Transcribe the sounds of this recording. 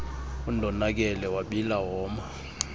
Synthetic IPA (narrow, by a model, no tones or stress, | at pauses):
undʱɔnak̬ɛlɛwaɓilaɦɔːma